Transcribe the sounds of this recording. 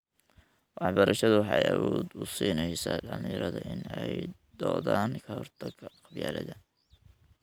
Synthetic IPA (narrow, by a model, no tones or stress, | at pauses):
wʔɑħbɐɾʔɐʃɐðʊwɑħɑjɐwɔːd̪ʊsiːnɛjsaːdɐljɪɾɐðɐʔɪnɛj | d̪̥ɔːðaːnkʰɐhɔrt̪ʰɐɡʰɐqɑbjaːlɐðɐ